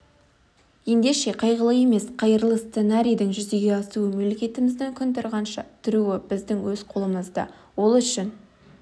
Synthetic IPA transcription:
je̞nd̪e̞ʃe̞qʰɑjʁəlˠəje̞me̞sqʰɑjəɾlˠəst̪senɑɾʲijd̪ɪŋʒʏze̞ɡʲe̞ɑsuəmelekʲe̞t̪ɪmɪzd̪ɪŋkʲʰʏnt̪ɪɾʁɑnʃɑt̪ʰʏɾuwɪbɪzd̪ɪŋwɵzqʰo̞lˠəməzd̪ɑ̰wo̞lˠʏʃɪn

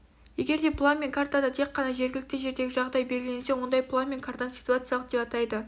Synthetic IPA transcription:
je̞ɡʲe̞ɾd̪e̞pʰlˠamʲeŋkʰart̪ad̪ɑt̪ʰe̞qːɑnɑʒe̞ɾɡʲɪlɪk̚t̪ɪʒe̞ɾd̪e̞ɡʲɪʒɑʁd̪ɑjbeɾɪlenesewo̞nd̪ɑjplˠamʲenkʰart̪ɑnsi̥t̪uat̪sɨjalˠəqd̪e̞pɑt̪ɑjd̪ə

